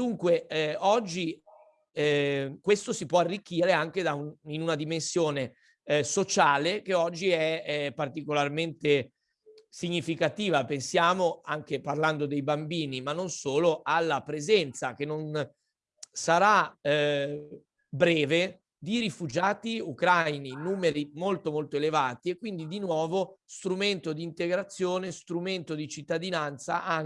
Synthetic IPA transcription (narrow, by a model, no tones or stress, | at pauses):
d̪uŋkweɔd͡ʒːi | kwest̪osipwɔarːik̟ːiːɾeaŋk̟ed̪auinunad̪imensjoːne | sot͡ʃaːlek̟eɔd͡ʒːiɛpːart̪ikolarment̪e | siɲːifikat̪iːvapensjaːmoaŋkeparland̪od̪ejbambiːnimanːonsoːloʔalːapɾezɛnt̪sak̟enːon | saɾa | bɾɛːve | d̪iɾifud͡ʒaːt̪iukɾajninuːmeɾimolt̪omolt̪oelevaːt̪iekːwind̪id̪inwɔːvost̪ɾument̪od̪iːnt̪eɡɾat̪sːjoːnest̪ɾument̪od̪it͡ʃit̪ːad̪inant̪saʔa